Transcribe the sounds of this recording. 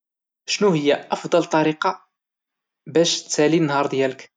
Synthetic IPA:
ʃnuhəjːaʔɑfd̪ˤɑlt̪ˤɑɾiqɑ | bæʃt̪sælinːɦɑɾˤd̪jælək

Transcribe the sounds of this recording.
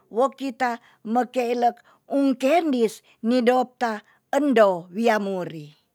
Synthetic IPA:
wokit̪a | məkeilək̚ | uŋkendis | nidop̚t̪a | əndowiamuɾi

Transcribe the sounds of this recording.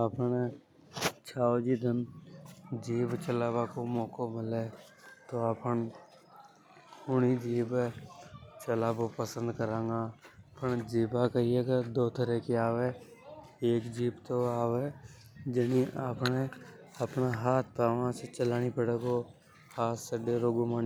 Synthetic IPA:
apne | t͡ʃʰaːod͡ʒid̪ən | d͡ʒiːbt͡ʃəlaːbakomɔ̃ːkomɪleː | t̪oaːpən | kʰʊɽ̃id͡ʒiːbe | t͡ʃəlaːbopəsə̃nd̪kəɾãːŋɡaːpʰəɳd͡ʒiːbakəɾieːɡad̪oːt̪ʰəɾekiaːʋe | eːkd͡ʒiːbt̪oaːʋed͡ʒəniʔaːpne | əpnaɦaːt̪̚ʰpaːʋãset͡ʃəlaːnipəɽeːɡo | haːt̪səɖeɾoːɡomaːn

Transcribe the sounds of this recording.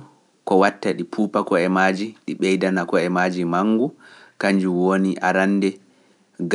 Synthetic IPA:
kɔwatːaɗipʰuːpakɔɛmaːd͡ʒiɗiɓɛjdanakɔɛmaːd͡ʒimaŋːɡukaɲd͡ʒuwoniʔa̰ɾanːdɛ | ɡ

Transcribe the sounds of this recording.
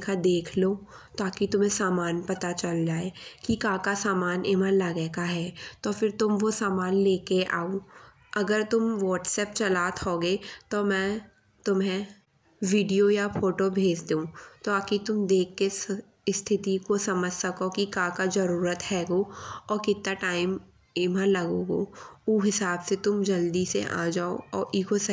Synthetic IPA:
kad̪eːkʰloː | t̪aːkit̪ʊmɦẽsaːmaːnpɐt̪at͡ʃɐld͡ʒaːeːkikãːkasaːmaːnɪmənlaɡɛːkaɦɛːt̪ofɪɾt̪ʊmʋosaːmaːnleːkeʔa̰ːo | ɐɡəɾt̪ʊmʋɔːʈsɛːp̚t͡ʃɐlaːt̪ɦoːɡet̪omɛ̃ː | t̪ʊmɦẽ | ʋiːɖijojafoːʈobʱeːd͡ʒd̪eũt̪oaːkit̪ʊmd̪eːkʰːes | st̪ʰɪt̪ikosɐməd͡ʒʱsɐkokikãːkad͡ʒɐɾuːɾət̪ɦɛːɡoːɔːɾkɪt̪ːaʈaːɪmː | məlɐɡoːɡoːuːɦɪsaːbset̪ʊmd͡ʒɐld̪isḛʔa̰ːd͡ʒaːo̰ɔːʔiːkos

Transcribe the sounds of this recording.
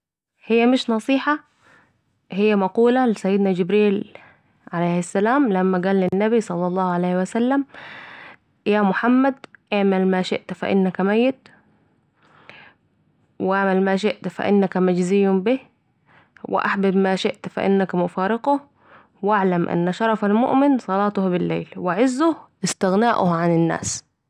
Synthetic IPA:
hɪjːæmɪʃnɑsˤiːħɑ | hɪjːæmɑquːlalɪsæjːɪd̪nad͡ʒɪbɾiːl | ʕalajhɪsːælaːmlamːæɡaːlːɪnːæbisˤɑlːɑlˤːɑːhʕalajhɪwæsalːam | jaːmʊħamːad̪ʔaʕmalmaːʃɪ̰ʔt̪fa̰ʔɪ̰nːakmajːɪt̪ | wɪʔaʕmalmaːʃɪʔt̪fa̰ʔɪ̰nːakmad͡ʒzɪjːʊmbi | wɪ̰ʔaħbɪbmaːʃɪʔt̪fa̰ʔɪ̰nːakmʊfaːɾɪqʊ | waʕlamʔa̰nːaʃɑɾˤɑfalmʊ̰ʔmɪnsˤɑlɑːt̪ˤʊhbɪlːḛːlwɪʕɪzːʊhʔɪst̪ɪɣnaːʔʊhʕanɪnːa̰ːs

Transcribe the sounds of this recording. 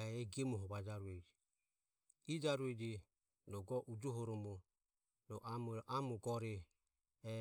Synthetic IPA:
ɛɛɡiɛmuɦɔβad͡ʒaɾuɛd͡ʒi | id͡ʒaɾuɛd͡ʒi | nɔɡɔʔud͡ʒuɦɔɾɔmɔ | nɔʔamuʔamuɡɔɾɛ | ɛ

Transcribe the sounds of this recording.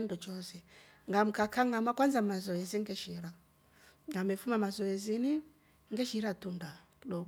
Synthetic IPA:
ndɔt͡ʃɔsɛ | ŋɡam̩kakʰaŋamakwanzamazɔjɛziŋɡɛʃiɾa | ŋɡamɛfumamazɔjɛzini | ŋɡɛʃiɾatunda | lɔ

